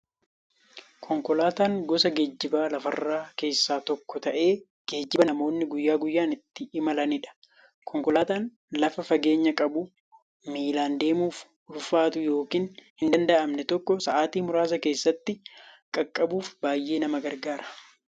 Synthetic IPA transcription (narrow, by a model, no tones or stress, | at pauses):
kʰɔŋkɔlaːt̪aːŋɡɔsɐɡe̞ːd͡ʒːɪbaːlɐfɐrːaːke̞ːsːaːt̪ɔkːɔt̪ɐʔe̞ː | ɡ̥e̞ːd͡ʒːɪbɐnɐmo̞ːnːɪɡʊjːaːɡʊjːaːnɪt̪ːɪɪmɐlɐnɪᶑɐ̥ | kʰɔŋkɔlaːt̪aːn | lɐfɐfɐɡe̞ːɲːɐkʼɐbu | miːlaːnd̪e̞ːmuːf | ʊlfaːt̪ʊjo̞ːkiːnhɪnd̪ɐnd̪ɐʔɐmnɛt̪ɔkːɔsɐʔaːt̪iːmʊɾaːs̬ɐke̞ːsːɐt̪ːɪkʼɐkʼːɐbuːfbaːjːe̞ːnɐmɐɡɐɾɡaːɾɐ̥